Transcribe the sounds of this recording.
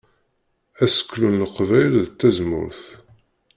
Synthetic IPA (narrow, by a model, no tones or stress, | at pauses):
æsə̥kːlunːəqvæjlðt̪ːæzmʊ̰ɾθ